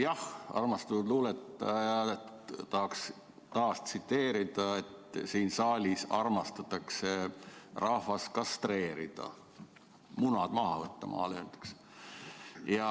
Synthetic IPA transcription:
jɑhɑ̰rmɑst̪ud̪luːlet̪ːˑɑjɑ | t̪ɑhɑks | t̪ɑːst̪sit̪ːe̞ːɾid̪̥ɑet̪siːnsɑːlʲisɑrmɑst̪ɑt̪ːˑɑkse̞rɑhvɑskɑst̪re̞ːɾḭd̪̥ɑ̰ | munɑd̪̥mɑɦɑ̰vɤt̪ːɑmɑ̰ːlent̪u̥ks | jɑ

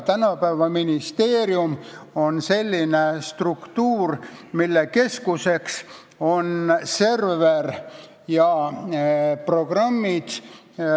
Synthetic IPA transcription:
t̪ænɑpævɑminist̪e̞ːɾjumo̞nse̞lʲːinest̪rukt̪uːrmilːeke̞skuse̞ks | o̞nse̞rveɾ | jɑ | pro̞ɡ̥rɑmːid̪̥

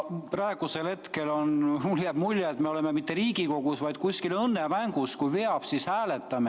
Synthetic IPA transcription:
pɾɑeɡ̥uselhe̞t̪ke̞lo̞nmuljæb̥mulʲjeːt̪meole̞memit̪ːe̞ɾiːɡiko̞ɡ̥usvɑjd̪̥̚kusʲkilɤnːemæŋɡ̥uskujveɑb̥sishæːle̞t̪ˑːɑme

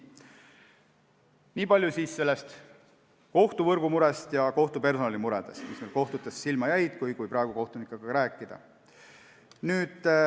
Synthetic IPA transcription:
niːpɑlʲjusiːsːe̞lːe̞st̪ | ko̞ht̪uvɤrɡ̥umuɾe̞st̪jɑko̞ht̪upe̞rso̞nɑlimuɾe̞d̪̥e̞st̪mismejlko̞ht̪ut̪ːˑesːilmɑjæjd̪̥kujkujpɾɑeɡ̥uko̞ht̪unikːˑɑɡ̥ɑɾæːkːˑid̪̥ɑ̰ | nyːd̪̥

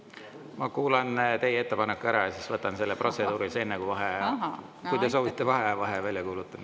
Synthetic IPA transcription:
mɑkuːlɑnt̪e̞jee̞t̪ːe̞pɑnekːuæɾɑjɑsisvɤt̪ːˑɑnse̞lːepro̞t̪se̞d̪̥uːɾisenːekuvɑɦe | kujt̪e̞so̞ːvit̪ːˑe̞vɑɦevɑɦevælʲjɑkuːlut̪ːˑɑn

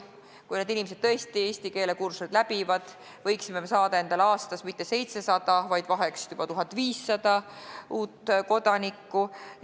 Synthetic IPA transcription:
kujned̪inimese̥t̪ːɤ̞est̪ie̞ːst̪ike̞ːle̞kursed̪læb̥ivɑd̪̥ | vɤ̞jksimemesɑːd̪ɑe̞nd̪ɑlɑːst̪ɑsmit̪ːe̞se̞jt̪se̞sɑd̪̥ɑvɑjd̪̥vɑɦeksub̥ɑt̪uɦɑt̪ːˑviːsːɑd̪̥ɑʔuːt̪ːˑko̞d̪̥ɑnikːu

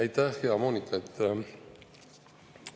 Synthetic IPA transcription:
æjt̪æhheɑmoːnʲik̪et̪ː

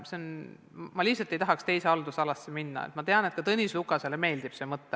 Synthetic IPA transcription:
seon | mɑlihsɑlt̪ːˑe̞jt̪ɑɦɑkst̪e̞jse̞ɑld̪usɑlɑsːeminːɑ̰et̪mɑt̪e̞ɑnet̪̚kɑt̪ɤnʲislukːˑɑseleme̞ːld̪ib̥se̞ːmɤt̪ːe

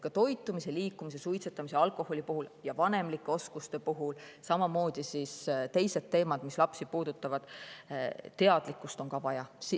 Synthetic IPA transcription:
kɑt̪o̞jt̪ːˑumise̞liːkːˑumise̞sujt̪set̪ːˑɑmise̞ɑlkˑo̞ho̞lʲipuɦuljɑvɑne̞mlikːˑeo̞skust̪e̞puɦulsɑmɑmo̞ːd̪̥isist̪e̞jse̞d̪̚t̪ːe̞ːmɑd̪mislɑpsipuːd̪̥ut̪ːˑɑvɑd̪̥ | t̪ːe̞ɑd̪̥likːˑust̪o̞nkɑvɑjɑsi

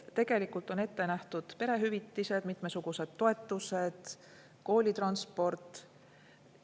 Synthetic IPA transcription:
t̪e̞ɡ̥e̞likːˑult̪ːˑo̞ne̞t̪ːe̞næht̪ud̪̥pe̞ɾe̞ɦyvit̪ːise̞d̪mit̪me̞suɡ̥use̞d̪̥t̪ːo̞e̞t̪ːˑuse̞d̪̥ | ko̞ːlʲit̪rɑnspo̞rt̪ˑ

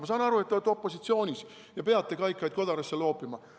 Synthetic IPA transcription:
mɑs̬ɑːnɑɾue̞t̪t̪ːet̪ːo̞pːˑo̞sit̪sio̞ːnʲis | jɑpe̞ɑt̪ːˑekɑjkˑːɑjd̪̥̚ko̞d̪̥ɑɾesːelo̞ːpːˑimɑ

